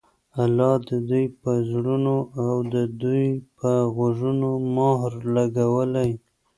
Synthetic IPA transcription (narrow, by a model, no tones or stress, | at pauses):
alɑd̪əd̪ujpəzɽunoawd̪əd̪ujpəɣoʒunomɑɦɾlaɡawəlaj